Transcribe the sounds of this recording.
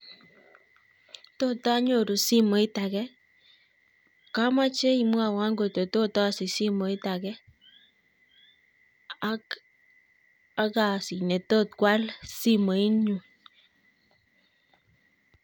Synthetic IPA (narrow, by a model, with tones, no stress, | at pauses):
to˦ta˦ɲo˦˨ɾu˨si˦mo˨˦i˦ta˨kɛ˦ | ka˦ma˦t͡ʃe˦i˨mwa˨wa˦ŋɡo˨to˨to˦ta˦˨si˨si˦mo˨i˦ta˨kɛ˦ | ak | a˦ka˨si˨ne˨to˦t̪̚kwa˦lsi˦mo˨i˦ɲu˨